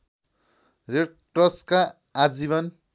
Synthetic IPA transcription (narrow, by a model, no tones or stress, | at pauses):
reʈ̚ʈʌskaː | d͡ziβʌn